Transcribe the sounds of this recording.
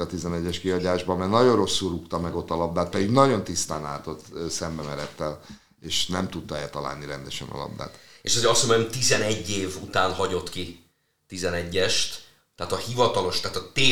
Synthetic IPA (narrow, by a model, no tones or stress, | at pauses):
ɒt̪izɛnɛɟːɛʃkiɒɟaːʒbɒmɛnɒɟo̞ro̞sːulrukt̪ɒmɛɡo̞t̪ːɒlɒb̚d̪aːt̪mɛd̪iɡnɒɟo̞nt̪ist̪aːna̰ːt̪o̞t̪sɛmbɛmɛɾɛt̪ːɛl | eːʃnɛmt̪ut̪ːɒɛlt̪ɒla̰ːlniɾɛnd̪ɛʃɛ̰nɒ̰lɒ̰b̚d̪a̰ːt̪eʃɒzeɒsomɛɛmit̪izɛnɛɟːeːvut̪aːnhɒɟo̞t̪ki | t̪izɛnɛɟːɛʃt̪ | t̪ɛːt̪ɒhivɒt̪ɒlo̞ʃt̪aːt̪ɒt̪eː